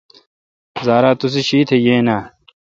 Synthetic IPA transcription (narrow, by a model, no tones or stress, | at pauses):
zaːɾaːt̪us̬iɕiːt̪ʰejeːnaː